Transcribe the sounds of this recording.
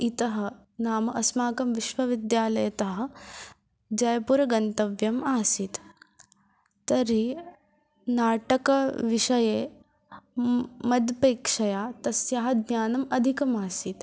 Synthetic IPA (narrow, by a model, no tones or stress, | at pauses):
it̪ɐɦɐ̆ | naːmɐʔɐsmaːkɐmʋiʃʋɐʋid̪jaːlɐjɐt̪ɐɦɐ̆ | d͡ʒɐjɐpuɾɐɡɐnt̪ɐʋjɐmaːsit̪ | t̪ɐɾi | naːʈɐkɐʋiʂɐjeː | mɐd̪peːkʂɐjaːt̪ɐsjaɦɐ̆d̪njaːnɐmɐd̪ʱikɐmaːsit̪